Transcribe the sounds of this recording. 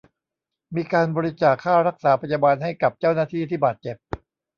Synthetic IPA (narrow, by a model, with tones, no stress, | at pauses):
miː˧kaː˧nbɔː˧ɾi˦˥t͡ɕaː˨˩kʰːaː˥˩ɾa˦˥k̚saː˩˦pʰa˧jaː˧baː˧nɦa˥˩jka˨˩p̚t͡ɕaː˥˩wnaː˥˩t̪ʰiː˥˩t̪ʰiː˥˩baː˨˩t̪̚t͡ɕe˨˩p̚